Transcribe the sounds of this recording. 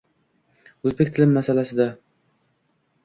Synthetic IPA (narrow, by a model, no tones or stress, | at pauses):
ɵzbekʲt̪ʰɪlɪmːasalasɪd̪a